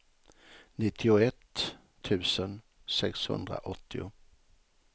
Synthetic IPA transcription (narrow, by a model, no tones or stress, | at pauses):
nɪt̪ʰːɪʊɛt̪ʰː | ʉ̟ːsən | sɛkshɵ̰nd̪ɾa̰ʔɔt̪ʰːɪʊ